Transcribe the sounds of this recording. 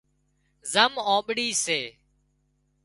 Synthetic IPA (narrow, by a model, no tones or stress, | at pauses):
zəmõːɓɽiːseː